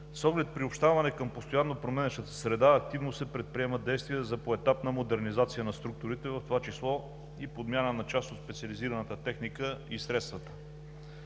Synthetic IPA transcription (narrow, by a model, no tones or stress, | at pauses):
sɔɡlɛt̪̚pɾiopʃt̪avɐnɛkəmpost̪ojanːopɾomɛnəʃt̪ət̪ə̥sɾɛd̪aɐk̚t̪ivnosɛpɾɛt̪̚pɾiɛməd̪ɛjst̪vijəzɐpoɛt̪apnəmod̪ɛɾnizat̪sijənɐst̪ɾuk̚t̪ʊɾit̪ɛvɐft̪ovat͡ʃislˠɔ | ipod̪mjanənɐt͡ʃast̪ot̪spɛt̪siɐliziɾɐnət̪ət̪ɛxnikəisɾɛt̪st̪vət̪ə̥